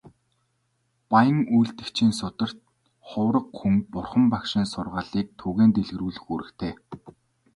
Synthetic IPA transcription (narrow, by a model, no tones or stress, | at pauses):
pajə̆ŋujɮt̪ɘ̆kt͡ɕʰiːnsʊt̪ə̆r̥t̪ | χʊːɾə̆qxuŋpʊrχə̆mpakʃɪ̆nsʊrʁaːɮiːk̚t̪ʰuːɣeːnt̪eɮɣɘ̆ruːɮɘ̆xuːɾɘ̆kt̪ʰeː